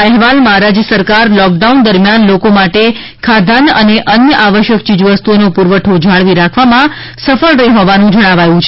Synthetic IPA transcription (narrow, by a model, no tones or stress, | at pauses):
ɛɦʋalmãɾad͡ʒjəsəɾkaɾlɔk̚ɖaund̪əɾmjanlokomaʈe | kʰad̪ʱanəneʔənjəʔaʋəʃjək̚t͡ʃid͡ʒʋəst̪uonopuɾʋəʈʰod͡ʒʱaɭʋiɾakʰʋamã | səfəɭɾəiɦɔʋanũd͡ʒəɽ̃aʋajũt͡ʃʰe